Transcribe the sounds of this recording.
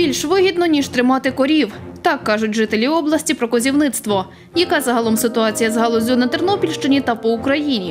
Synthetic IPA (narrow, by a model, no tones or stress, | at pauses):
bʲilʲʃʋɪɦʲid̪nɔnʲiʒt̪ɾɪmɑt̪ɪkɔɾʲiwt̪ɑkːɑʒʊtʲʒɪt̪elʲiɔblˠɐsʲtʲipɾɔkɔzʲiwnɪt̪st̪ʋɔ | jɐkɑzɐɦɐlˠɔmsɪt̪ʊɑt͡sʲijɐzɦɐlˠɔzʲunɐt̪ernɔpʲilʲʃt͡ʃɪnʲit̪ɐpɔʊkɾɐjinʲi